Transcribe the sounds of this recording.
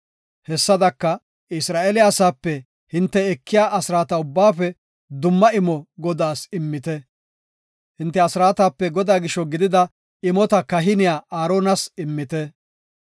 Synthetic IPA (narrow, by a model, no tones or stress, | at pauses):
hɛsːɐd̪ɐkːɐ | ɪsɾaːʔeːlɪjaːsaːpːɛ | hɪnt̪ːɛɛkːɪjaːʔɐsɪɾaːt̪ɐʊbːaːfɛ | d̪ʊmːɐɪmɔɡɔd̪aːsɪmːɪt̪ɛ | hɪnt̪ːɛɐsɾaːt̪aːpːɛɡɔd̪aːɡɪʃːɔɡɪd̪ɪd̪ɐ | ɪmɔt̪ɐkɐɦɪnɪjaːʔaːɾoːnɐsɪmːɪt̪ɛ